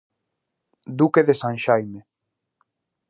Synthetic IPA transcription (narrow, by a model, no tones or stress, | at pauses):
d̪ukeðesãnʃajme